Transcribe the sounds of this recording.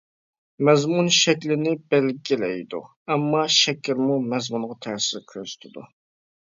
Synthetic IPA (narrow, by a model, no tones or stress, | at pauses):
mɛzmunʃɛkʲlɪnɪbɛlɡʲilɛjd̪ṵ | ɛmːɑʃɛkʲʰɪɾmumɛzmunʁɑt̪ʰæɾsɪɾkʲʰøzy̥t̪ʰɪd̪ṵ